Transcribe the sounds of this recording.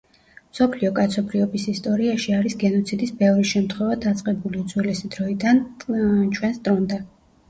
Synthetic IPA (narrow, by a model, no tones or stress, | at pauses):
msɔpʰliɔkʼat̪sʰɔbɾiɔbisist̪ʼɔɾiaʃiaɾisɡɛnɔt̪sʰid̪isbɛvɾiʃɛmt̪ʰχwɛvad̪at̪sʼqʼɛbuliud̪z̥wɛlɛsid̪ɾɔid̪ant͡ʃʰwɛnst̪ʼɾɔnd̪a